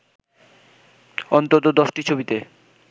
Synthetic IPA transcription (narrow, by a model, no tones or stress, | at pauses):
ɔnt̪ot̪od̪ɔʃʈit͡ɕʰobit̪e